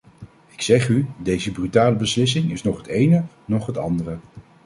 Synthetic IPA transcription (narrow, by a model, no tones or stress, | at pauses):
ɪksɛχydejzəbrytaːləbəslɪs̬ɪŋɪsnɔχɦətejnə | nɔχɦətɑ̰ndərə